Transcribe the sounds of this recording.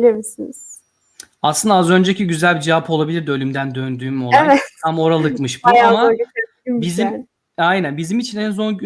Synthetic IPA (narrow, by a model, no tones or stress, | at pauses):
lʲemisiniz̥ | aslɯnd̪aazø̞nd͡ʒecʰiɟyzælʲbid͡ʒevapʰo̞lˠabilʲiɾd̪ølʲymd̪ænd̪ønd̪yːmo̞leavɛt̪ʰamo̞ɾalˠɯkmɯʃbuama | mbizim | ajnænbizimit͡ʃʰinæns̬o̞n